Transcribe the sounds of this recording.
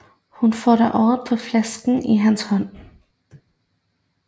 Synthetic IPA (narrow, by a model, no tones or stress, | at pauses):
hʊnfoːd̪æʔɔːəpʰɔflɛskn̩iːɦænshɔn